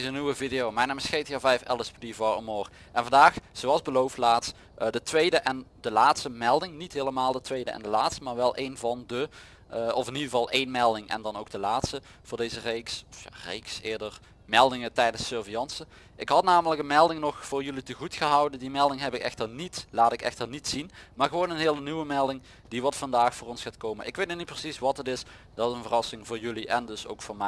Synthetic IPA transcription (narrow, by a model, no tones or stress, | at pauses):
zəniwəvidejowmɛjnaːmɪsxejtaːvɛjfɛ̰ləspdivoɹo̰moːr | ʔɛnvɑndaːxz̥owɑlˠzbəlowftlaːtst | dətʋejdəʔɛndəlaːtstəmɛlˠdɪŋnitɦeːləmaːlˠdətʋejdə̰ʔɛ̰ndəlaːtstəmaːɹʋɛlˠʔejnvɑndə | ʔɔfɪnidəvɑlˠʔejnmɛlˠdɪŋʔɛ̰ndɑnowɡ̚dəlaːtstə | v̥ʊːɹdejzərejksɔfja̰rḛjksɪːɹdər | mɛlˠdɪŋətɛjdənsøːɹvijɑnsə | ʔɪkɦɑtnaːmələkənmɛlˠdɪŋnɔxfʊːrjɵlitəɣutxəɦɑwdəndimɛlˠdɪŋɦɛpɪkɛ̰xtərnitlaːtɪkɛ̰xtərnitsinmaːɹɣəʋownənɦɪːlənyʋəmɛlˠdɪŋ | d̥iʋɑtfɑndaːxfʊːrɔnsxaːtkowmənɪkʋejt̚nynit̚prəsisʋɑtətɪs | d̥ɑtɪənvərɑsɪŋvʊːɹjɵliʔɛndɵso̰wkfʊːɹmɛ